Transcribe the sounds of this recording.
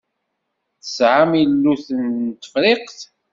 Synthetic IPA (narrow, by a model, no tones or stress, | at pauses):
θəsʕamilːuθənːt̪ə̥fɾeqθ